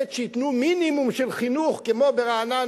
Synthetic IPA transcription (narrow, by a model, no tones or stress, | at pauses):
et̪ʃejit̪numinimumʃelχinuχkemobeʁaːna